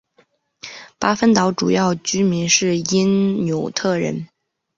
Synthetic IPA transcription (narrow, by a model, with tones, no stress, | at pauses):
pa˥fə˥nt̪ɑ˧˥ʊʈ͡ʂu˨˩jɑ˥˩ʊt͡ɕy˥mi˧˥nʂɻ̩˥˩i˥nnjo˨˩ʊt̪ʰɤ˥˩ɻə̰˧˥n